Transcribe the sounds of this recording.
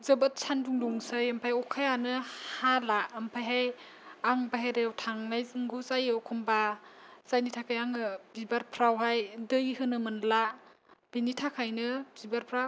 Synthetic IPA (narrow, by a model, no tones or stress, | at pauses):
zɯbat̚sʰanduŋdɔŋsajɐmpʰajɔkʰajanɯhalaɯmpʰajɦaj | aŋbaɦeɾewtʰaŋnajzɯŋɡuzajɔkʰɔmbaz̥ajnitʰakʰajaŋɯbibaɾpʰɾawɦajdɯjhɯnɯmɯnla | b̥initʰakʰajnɯbibaɾpʰɾaw